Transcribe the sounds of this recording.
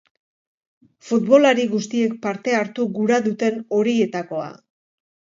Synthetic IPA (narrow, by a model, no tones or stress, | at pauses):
fut̪βo̞laɾiɣust̪ie̞k̚paɾt̪e̞aɾt̪uɣuɾaðut̪e̞no̞ɾie̞t̪ako̞a̰